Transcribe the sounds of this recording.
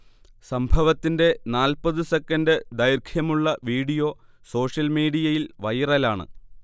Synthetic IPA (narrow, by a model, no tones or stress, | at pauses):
sɐmbʱɐʋɐt̪ːinde̞naːlpɐðɨse̞kːɐndɨd̪ɐjrkʰjɐmuɭːɐʋiːɽijo̞ː | so̞ːʂjɐlmiːɽijɐjilʋɐjrɐlaːɳɨ̰